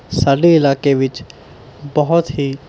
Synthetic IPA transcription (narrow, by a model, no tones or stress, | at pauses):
saːɖeɪlaːkeʋɪt͡ʃ | bəɦʊt̪ɦiː